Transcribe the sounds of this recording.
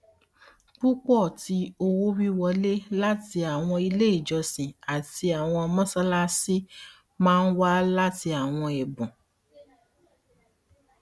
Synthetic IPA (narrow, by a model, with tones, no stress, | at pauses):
k͡pu˦k͡pɔ˦˨ti˧o˧wo˦wi˦wɔ˧le˦la˦ti˧a˨w̃ɔ̃˧i˧le˦i˦˨d͡ʒɔ˧sĩ˨a˨ti˧˦a˨w̃ɔ̃˧mɔ̃˦sɔ˦la˦si˦ | mãː˦n̩˦wa˦la˦ti˧a˨w̃ɔ̃˧ɛ˨bũ˨